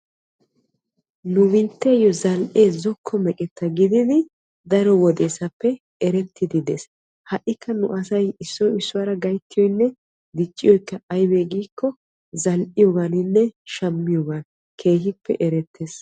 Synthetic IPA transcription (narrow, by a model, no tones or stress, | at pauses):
nʊβɪnt̪ːeːjɔzɐlʔeːzɔkʰːɔmɛkʼɛt̪ʰːɐɡɪd̪ɪd̪ɪ | d̪ɐɾɔwɔd̪e̞ːsɐpːɛ | ɛɾɛt̪ːɪd̪ɪd̪es | hɐʔːɪkʰːɐnʊʔɐsɐjɪsːɔɪsːʊwɐɾɐɡɐjt̪ːɪjɔjnːɛ | d̪ɪt͡ʃʼːɪjɔjɪkːɐɐjbeːɡiːkːɔ | zɐlʔɪjɔɡanɪnːɛʃɐmːɪjɔːɡaːn | kʰe̞ːhɪpːɛ̰ʔɛɾɛt̪ːeːs